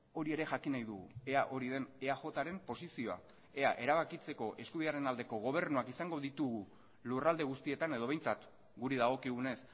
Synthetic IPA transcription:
o̞ɾie̞ɾe̞ʝakinajðuɣṵe̞aʔo̞ɾiðe̞neaxo̞t̪aɾe̞mpo̞sisio̞a̰ | e̞aʔe̞ɾaβakit͡se̞ko̞ʔe̞skuβiðaɾe̞nald̪e̞ko̞ɣ̞o̞β̞e̞ɾnuakisaŋɡo̞ðit̪uɣu | lurald̪e̞ɣ̞ust̪ie̞t̪ane̞ð̞o̞β̞e̞jnt͡sat̪ | ɡuɾiðaɣ̞o̞kiɣ̞une̞s

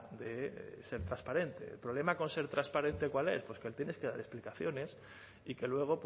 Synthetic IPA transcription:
d̪e̞se̞ɾt̪ɾaspaɾe̞nt̪e̞̰lpɾoβle̞mako̞nse̞ɾt̪ɾaspaɾe̞nt̪e̞kwale̞̰spwe̞skeelt̪je̞ne̞ske̞ða̰ɾe̞splikaθjo̞ne̞s | ike̞lwe̞ɣ̞o̞p

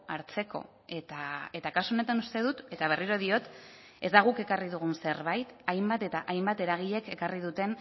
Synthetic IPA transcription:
aɾt͡se̞ko̞̰ | e̞t̪ae̞t̪akasuone̞t̪anust̪e̞ð̞ut̪e̞t̪aβ̞e̞riɾo̞ðio̞t̪ | ezd̪aɣ̞uke̞kariðuɣ̞unse̞ɾβajt̪ajmbat̪e̞t̪aʔajmbat̪e̞ɾaɣ̞iʎe̞ke̞kariðut̪e̞n

